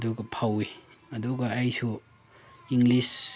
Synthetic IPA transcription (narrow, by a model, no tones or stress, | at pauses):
duɡɐpʰawi | ɐduɡɐːjsu | iŋɡlis